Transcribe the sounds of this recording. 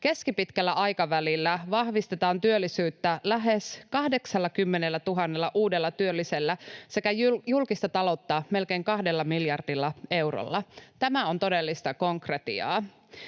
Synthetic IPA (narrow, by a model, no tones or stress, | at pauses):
ke̞skipit̪kælːæʔɑjkɑʋælilːæʋɑhʋist̪et̪ɑːnt̪yølːisyːt̪ːælæɦeskɑhde̞ksɑlːɑkymːenelːæt̪uɦɑnːelːɑʔuːde̞lːɑt̪yølːiselːæse̞kæjjulkist̪ɑt̪ɑlo̞t̪ːɑme̞lkeiŋkɑhde̞lːɑmiljɑrdilːɑe̞uwro̰lːɑt̪æmæo̞nt̪o̞delːist̪ɑko̞ŋkret̪ḭɑ̰ː